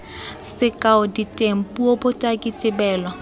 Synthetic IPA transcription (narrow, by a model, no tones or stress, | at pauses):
sɪkʼaʊditʼem̩pʼuobʊtʼakʼitʼɪbɛːlwa